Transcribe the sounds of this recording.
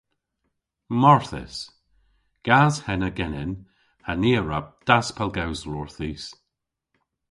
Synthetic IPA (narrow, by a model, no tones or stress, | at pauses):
mɔɹθɪ̰s | ɡ̥azhɛnəɡɛnɪn | haniːəɹab̚d̪̥aspʰɛlˠɡawzlɔɹθiːs